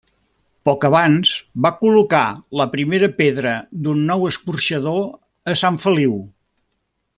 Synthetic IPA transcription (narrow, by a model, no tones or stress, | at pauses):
pɔkəβanz̥βakulukaləpɾimeɾəpeðɾəd̪unːɔwəskurʃəðo | əsaɱfəliw